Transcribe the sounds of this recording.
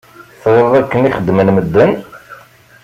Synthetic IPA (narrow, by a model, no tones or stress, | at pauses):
θðəɾðˤækːəniχəd̪ːmənməd̪ːən